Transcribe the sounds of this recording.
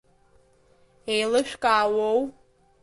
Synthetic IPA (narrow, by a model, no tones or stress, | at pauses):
ejlɨʃᶣkʼaːwow